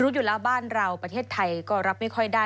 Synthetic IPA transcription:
ɾuː˦˥juː˨˩lɛː˦˥wbaː˥˩nɾa˧wpɾa˧t̪ʰeː˥˩t̪ʰːa˧jkɔː˥˩ɾa˦˥p̚ma˥˩jkʰɔ˥˩jdaː˥˩

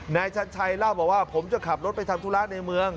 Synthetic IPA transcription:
naː˧jt͡ɕʰa˦˥nt͡ɕʰa˧jlaː˥˩wbɔː˨˩k̚waː˥˩pʰo˩˦mt͡ɕa˨˩kʰa˨˩p̚ɾo˦˥t̪̚pa˧jt̪ʰaː˧mt̪ʰu˦˥laː˦˥na˧jmɯ˧əŋ

